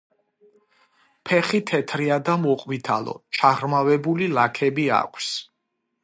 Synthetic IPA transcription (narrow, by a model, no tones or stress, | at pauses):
pʰɛχit̪ʰɛt̪ʰɾiad̪amɔqʼvit̪ʰalˠɔ̰t͡ʃʰaʁɾmavɛbulilakʰɛbia̰kʷʰs